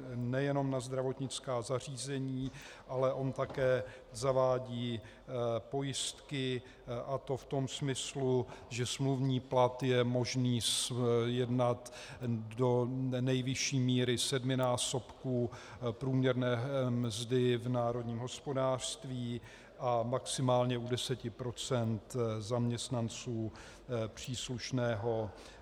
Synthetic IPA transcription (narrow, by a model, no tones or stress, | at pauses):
nɛjɛno̞mnazd̪ɾavo̞t̪ɲɪt͡skaːzar̝iːzɛɲiːʔalɛʔo̞nt̪akɛː | zavaːɟiː | po̞jɪst̪kɪ | ʔat̪o̞ft̪o̞msmɪsluʒɛsmluvɲiːplat̪jɛmo̞ʒniːsjɛdnat̪ | do̞nɛjvɪʃiːmiːɾɪsɛdmɪnaːso̞pkuː | pɾuːmɲɛɾnɛːmzdɪvnaːɾo̞dɲiːmɦo̞spo̞daːr̥st̪viː | ʔamaksɪmaːlɲɛudɛsɛcɪpɾo̞t͡sɛnt̪zamɲɛst̪nant͡suː | pr̝̥iːsluʃnɛːɦo̞